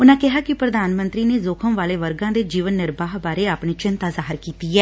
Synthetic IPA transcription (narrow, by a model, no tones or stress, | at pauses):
ʊnãːkɪɦaːkɪpɾəd̪aːnmənt̪ɾiːneːzoːkʰəmʋaːleːʋəɾɡãːd̪eːd͡ʒiːʋənːɪɾbaːɦbaːɾeːaːpɳiːt͡ʃɪnt̪aːzaːɦɪɾkiːt̪iːɛː